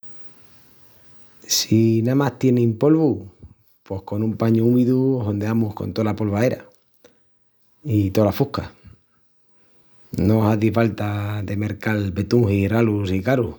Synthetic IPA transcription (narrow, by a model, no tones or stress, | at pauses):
sinamaht̪je̞nẽmpo̞lβu | pohko̞nũmpaɲuumiðuoɦo̞nd̪eamuhko̞̰nt̪olapo̞lβae̞ɾa̰ | it̪o̞lafuhka | noɦaðifalt̪aðe̞me̞ɾkalbe̞t̪uŋhiralusikaɾu